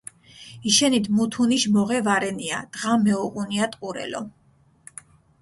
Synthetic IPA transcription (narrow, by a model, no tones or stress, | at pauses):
iʃɛnit̪ʰmut̪ʰuniʃmɔʁɛvaɾɛnia̰d̪̥ʁamɛɔqʼuniat̪ʼqʼuɾɛ̰lɔ̰